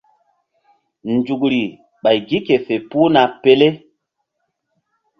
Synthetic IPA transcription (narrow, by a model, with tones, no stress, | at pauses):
nd͡ʒu˨kɾi˨ | ɓa˨jɡi˦ke˨fe˨pu˦na˨pe˦le˦